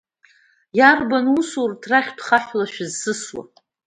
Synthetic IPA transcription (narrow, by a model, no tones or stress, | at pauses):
jarbanusurtʰraχʲtʰχaħʷlaʃᶣɪzːɨswa̰